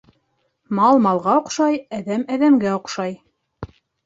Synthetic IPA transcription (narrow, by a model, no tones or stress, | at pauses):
mɑlˠmɑlˠʁɑŏqʃɑjæðæmæðæmɡæŏqʃɑj